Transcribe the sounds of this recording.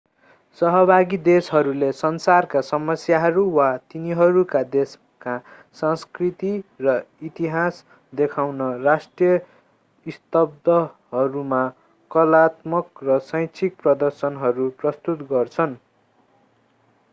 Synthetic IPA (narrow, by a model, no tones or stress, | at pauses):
sʌɦʌbʱaɡid̪esɦʌɾulesʌnsarkasʌmʌsjaɦʌɾuwat̪iniɦʌɾukad̪es | ka | sʌ̃skrit̪irʌit̪iɦas | d̪ekʰawnʌrasʈrijʌ | ist̪ʌb̚d̪ʌɦʌɾuma | kʌlat̪mʌkrʌsʌj̃t͡sʰik̚prʌd̪ʌrsʌnɦʌɾuprʌst̪ut̪ɡʌrt͡sʰʌn